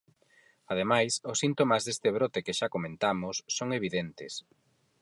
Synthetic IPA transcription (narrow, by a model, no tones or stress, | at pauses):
að̞emajsʊsːint̪omazðest̪eβɾot̪ekeʃakomẽnt̪amʊsːoŋeβ̞iðent̪ɪs